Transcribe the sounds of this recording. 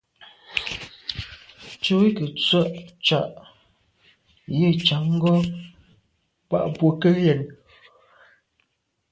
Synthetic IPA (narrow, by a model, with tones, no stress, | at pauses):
t͡ʃo˦wi˦kə˨t͡sɥə˦ʔt͡ʃa˨ʔ | je˦˨t͡ʃa˨˦ŋ̩˦ɡɔ˦ | pa̰˦ʔpwo˨kə˦jɛ˨n